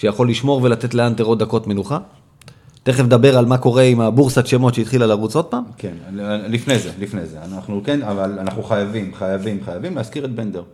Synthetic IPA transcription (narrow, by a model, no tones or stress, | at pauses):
ʃejaχo̞lːiʃmo̞ʁve̞lat̪e̞t̪leant̪eʁo̞t̚d̪ako̞tme̞nuχa | t̪e̞χefd̪abe̞ʁalmako̞ʁe̞imabuʁsatʃemo̞tʃeit̪χilalaʁut͡so̞t̪̚pamkenlifnejzelifnejzeanaχnukenavalanaχnuχajavimχajavimχajavimlehaskiʁet̚bend̪eʁ